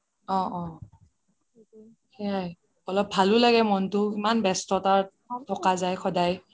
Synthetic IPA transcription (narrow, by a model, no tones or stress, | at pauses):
ɔ̃ɔ̃ | xɛaj | ɔlɔb̚ʱalʊlaɡɛmɔntʊimanbɛstɔtaɹ | tʰɔkazajxʰɔdaj